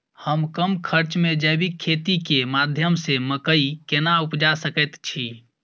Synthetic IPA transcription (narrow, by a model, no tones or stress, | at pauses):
həmkəmkʰəɾt͡ʃmed͡ʒəjbikʰːet̪ikemad̪ʱjəmseməkəikenaupd͡ʒasəkət̪t͡ʃʰi